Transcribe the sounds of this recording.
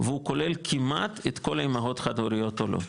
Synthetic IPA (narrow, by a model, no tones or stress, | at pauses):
veuko̞lelkʰima̰t̪et̪ko̞laimaʁo̞t̪χad̪oɾijo̞t̪olo̰